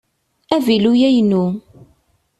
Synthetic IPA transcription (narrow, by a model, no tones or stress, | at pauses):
ævilujæjnu